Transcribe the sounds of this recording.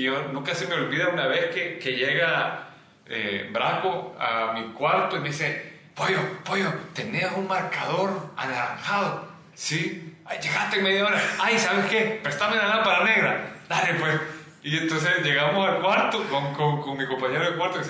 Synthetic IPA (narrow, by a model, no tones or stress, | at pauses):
ʝonũŋkasemeo̞lβiðaunaβeskekeʝeɣa | ḛbɾakoa̰mikwaɾt̪oiðise | pojopojot̪eneunmaɾkaðo̞ɾa̰laɾaŋxaðo | siaʝe̞ɣast̪eŋmeðjaoɾaajsaβeske̞peɾoest̪amenalapaɾane̞ɣɾad̪ale̞pwes | ie̞nt̪ons̬esʝe̞ɣamosalkwaɾt̪okoŋkoŋkoŋmiko̞mpaɲeɾoðekwaɾt̪okes